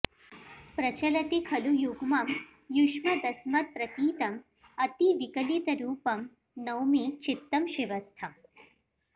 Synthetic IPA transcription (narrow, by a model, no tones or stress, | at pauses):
pɾɐt͡ʃɐlɐt̪ikʰɐlujuɡmɐm | juʃmɐd̪ɐsmɐt̪̚pɾɐkiːt̪ɐm | ɐt̪iʋikɐlit̪ɐɾuːpɐm | nɐwmit͡ʃit̪ːɐmʃiʋɐst̪ʰɐm